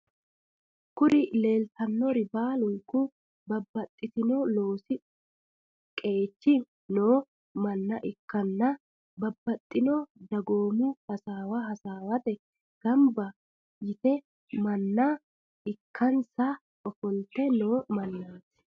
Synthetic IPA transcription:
kʊɾɪle̞ːlt̪ɐnːɔɾɪbaːlʊŋkːʊ | bɐbːɐt̪ʼːɪt̪ɪnolo̞ːsɪ | kʼe̞ːt͡ʃːɪ | noː | mɐnːɐʔɪkːɐnːɐ | bɐbːɐt̪ʼːɪnɔd̪ɐɡo̞ːmʊhɐsaːwɐɦɐsaːwɐt̪ɛ | ɡ̥ɐmbɐ | jɪt̪ɛ | mɐnːɐ | ɪkʰːɐnsɐ | ɔfɔnt̪ɛnoːmɐnːaːs

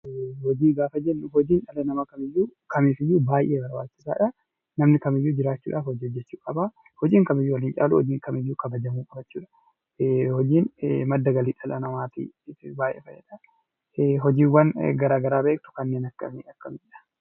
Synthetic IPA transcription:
hɔd͡ʒiːŋɡaːfɐd͡ʒɛnːʊhɔd͡ʒiːnᶑɐlɐnɐmɐkɐmɪjːuːkʰɐmiːfɪjːuːbaːjʔeːbɐɾba̰ːt͡ʃːɪsa̰ːᶑɐ | nɐmnɪkɐmɪjːuːd͡ʒɪɾaːt͡ʃːuːᶑaːfhɔd͡ʒiːɔd͡ʒːɛt͡ʃːuːkʼɐba | hɔd͡ʒiːŋkɐmɪjːuːwɐlɪnt͡ʃʼa̰ːlṵhɔd͡ʒiːŋkɐmɪjːuːkɐbɐd͡ʒɐmuːkʼɐbɐt͡ʃːuːᶑɐ̥ | hɔd͡ʒiːnmɐd̪ːɐɡɐliːᶑɐlɐnɐmaːt̪ḭbaːjʔḛːfɐjːɐ̰ᶑɐ | ɦɔd͡ʒiːwːɐnɡɐɾaːɡɐɾaːbeːk̚t̪ʊ̥kɐnːeːnɐkːɐ̰meɐkːɐmɪjɐ̥

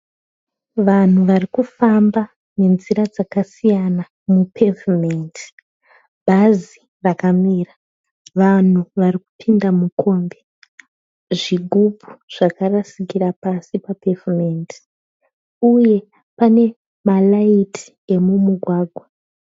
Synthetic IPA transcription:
ʋan̤uʋarikufamba | ne̞nziɾad͡zakasijana | mupʰevimenti̥ | bʱazi | rakamira | ʋan̤uʋariku̥pʰindamukʰo̞mbe | ʐiɡʱubʱu̥ʐ̥akarasikiɾapasipape̞vimenti̥ | uje̞ | pane̞ | malaitʰi̥ | e̞mumuɡʱwaːɡʱwa

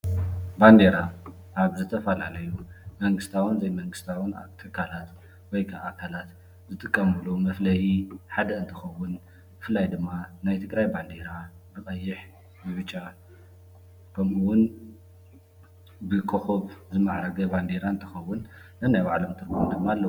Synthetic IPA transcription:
band̪e̞ɾa | ʔaβzɨt̪ʰɐfɐlalɐjumɐŋɡɨst̪ʰawɨnzɐjmɐŋɡɨst̪ʰawɨna̰t̪ʰɨkʰːalat̪ | wɔjkʰaʔakʰalat̪ | zɨt̪ʼɨkʼːɐmulomɐflɐjiħad̪ɐɨnt̪ʰɨxɐwːʊn | ɨflajd̪ɨmːanajt̪ʰɨɡɾajband̪e̞ɾa | bɨχʼɐjːɪħ | jɪβɨt͡ʃʼːa | kʰɐmuwʊn | bɨkʰʼoxoβzɨmaʕɾɐɡɐband̪e̞ɾaɨnt̪ʰɨxɐwːʊn | nɐnajbaʕlomt̪ʰɨɾɡnd̪ɨmːaːlːɐ

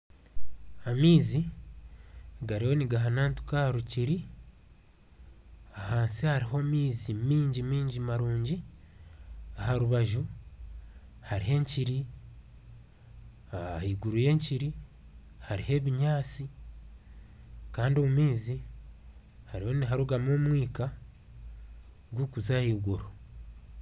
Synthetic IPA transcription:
amiːzi | ɡaɾiho̞niɡaɦanaːntu̥kahaɾuciɾi | ahaːnsihaɾiɦo̞miːzimiːɲɟimiːɲɟimaɾuːɲɟi | ahaɾuβaʒu | haɾiɦe̞ːɲciɾi | ahiɡuɾuje̞ːɲciɾi | haɾihe̞βiɲaːt͡si | kaːndiomumiːzi | haɾiho̞niɦaɾuɡamoːmwiːka | ɡwukuzahiːɡuɾo

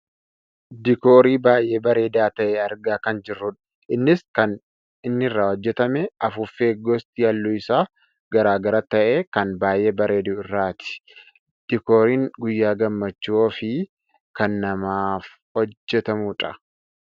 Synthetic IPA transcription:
d̪ɪkoːɾiːbaːjʔe̞ːbɐɾe̞ːd̪aːt̪ɐʔɛɐɾɡaːkɐnd͡ʒɪrːʊᶑɐ̥ | ʔɪnːɪskɐn | ɪnːɪɪrːaːhɔd͡ʒːɛt̪ɐmɛɐfʊfeːɡɔst̪ɪjɐlːuːɪsaː | ɡɐɾaːɡɐɾɐt̪ɐʔeːkɐnbaːjʔe̞ːbɐɾe̞ːd̪ʊɪrːaːt̪ɪ̥ | d̪̥ɪkoːɾiːŋɡʊjːaːɡɐmːɐt͡ʃːuɔfɪ | kɐnːɐmaːf | hɔd͡ʒːɛt̪ɐmuᶑɐ

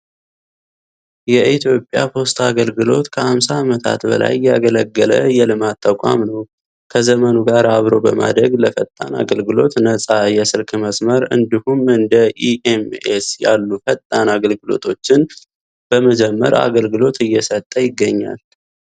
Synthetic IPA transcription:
jɛʔit̪ʰjo̞pʼːjapʰo̞st̪ʰaɡəlɡɨlo̞̰t̪kʰəhamsaːmət̪ʰa̰t̪bə̰la̰jːɛaɡələɡːələ̰jɛlɨmat̪ʰːakʷʼa̰mnəw | kʰəzəmənuɡaɾaβɾo̞bəma̰d̪ɾəɡləfət̪ʼːana̰ɡəlɡɨlo̞̰t̪nəsʼajɛsɨlkʰɨməsməɾɨ̰nd̪ihumɨnd̪əʔiʔemesjalːufət̪ʼːanaɡəlɡɨlo̞̰t̪ʰo̞t͡ʃːɪn | b̥əməd͡ʒɛmːə̰ɾa̰ɡəlɡɨlo̞t̪ʰɨjːɛsət̪ʼːəjɪɡːəɲːa̰l

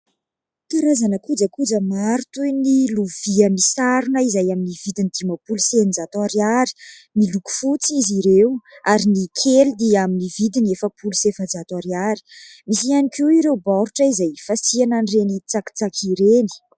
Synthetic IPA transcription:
t̪aɾazanəkud͡zəkud͡zəmaɾt̪uniluviəmisaɾunəizajaminivid̪inid̪imapulusenizat̪aɾaɾi̥ | miluku̥fut͡siziɾewaɾinikʰelid̪iaminivid̪inefəpʰulusefəd͡zat̪aɾaɾi̥misianikewiɾewbaɾuʈ͡ʂəizajfasiananrenit͡saki̥t͡sakʰiɾeni̥

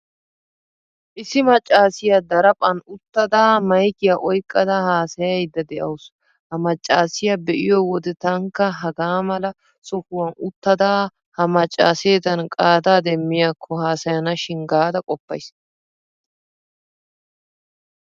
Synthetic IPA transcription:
ʔɪsɪmɐt͡ʃʼːaːsɪjad̪ɐɾɐpʼɐnʊt̪ːɐd̪aːmɐjkɪjaʔɔjkʼːɐd̪ɐhaːsɐjɐjd̪ːɐd̪ɛʔɐ̰wʊs | hɐmɐt͡ʃʼːaːsɪjabɛʔɪjɔwɔd̪ɪt̪ɐŋkːɐɦɐɡaːmɐlɐ | sɔkʊwɐnʊt̪ːɐd̪aː | hɐmɐt͡ʃʼːa̰ːseːt̪ɐnkʼaːd̪aːd̪ɛmːɪjaːkʰːɔhaːsɐjɐnɐʃɪŋɡaːd̪ɐkʼɔpːɐ̰js

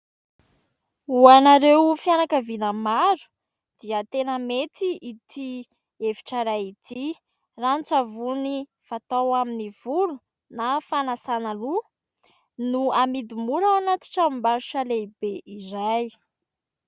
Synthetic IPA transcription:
uanaɾewfijanakəvinamazu̥ | d̪̥iət̪enəmet̪iʔit̪ʰi | evi̥ʈ͡ʂaɾajit̪ʰi | rant͡savuni | v̥at̪awaminivulu̥ | nafanasanalu | nuamid̪umuɾawanat̪i̥ʈ͡ʂammbaɾuʃalebeʔizaj

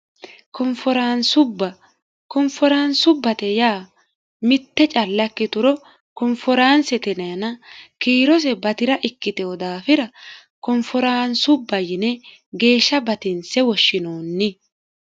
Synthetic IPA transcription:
kɔmfɔɾaːnsʊbːɐ | kɔmfɔɾaːnsʊbːɐt̪ɛjaː | mɪt̪ːɛt͡ʃʼɐlːkːɪt̪ʊɾɔ | kɔmfɔɾaːnsɛt̪ɛnɛɐnɐkiːɾɔs̬ɛbɐt̪ɪɾɐʔɪkːɪt̪ɛwɔd̪aːfɪɾɐ | kɔmfɔɾaːnsʊbːɐjɪnɛ | ɡe̞ːʃːɐbɐt̪ɪnsɛwɔʃːɪnoːnːɪ

